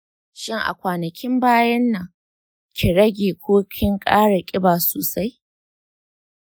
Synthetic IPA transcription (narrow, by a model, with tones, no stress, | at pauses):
ʃɪ˦ŋʔa̰˨kʷaː˨nɐ˨kʲɪ˦mbaː˦jɐ˦nːɐ˨ŋ | kʲɪ˨ɽɐ˦ɡʲeː˨kʷʰoː˦kʲʰɪ˦ŋkʼaː˦ɽa˨kʲʼɪ˦baː˨soː˨sa˦j